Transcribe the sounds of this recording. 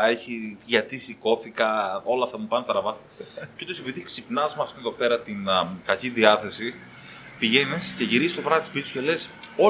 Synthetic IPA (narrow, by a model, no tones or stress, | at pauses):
e̞çiʝɐt̪isiko̞fikɐo̞lɐft̪ɐmupɐnst̪ɐɾɐvɐ | ceut̪ose̞piðiksipnɐzmeɐft̪ineðo̞pe̞ɾɐt̪inkɐciðiɐθe̞si | piʝe̞nisce̞ʝiɾisst̪ofɾɐɐt̪ispit̪isu̥ce̞le̞so̞